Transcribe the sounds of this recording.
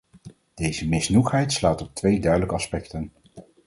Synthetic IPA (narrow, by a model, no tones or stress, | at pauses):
d̥ejzəmɪsnuχɦɛjtslaːtɔp̚tʋejdœɥdələkəɑspɛktən